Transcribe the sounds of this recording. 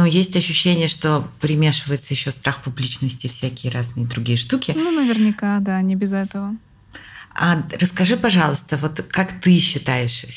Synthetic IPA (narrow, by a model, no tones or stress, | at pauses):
nujesʲtʲɐɕːʉɕːenʲɪjəʂt̪o̞pɾʲɪmʲeʂɨvəjɪt̪səjɪɕːo̞st̪ɾʔaxpʊblʲit͡ɕnəsʲtʲɪfsʲækʲɪjəɾaznɨjəd̪ɾʊɡʲijəʂt̪ukʲɪnunəvʲɪrnʲɪkad̪anʲɪbʲɪzɛt̪əvə | aɾəskɐʐɨpɐʐɑlˠəst̪əvo̞t̪kakt̪ɨɕːɪt̪ajɪʂ